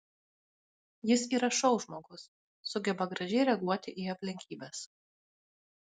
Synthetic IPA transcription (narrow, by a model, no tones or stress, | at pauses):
jɪsiːɾɐʃɐʊʒmoːɡʊsː | ʊɡʲɛbɐɡɾɐʒʲɛɪɾʲɛɡuɔt̪ʲɪʔiɐpʲlʲɪŋʲkʲiːbʲɛːs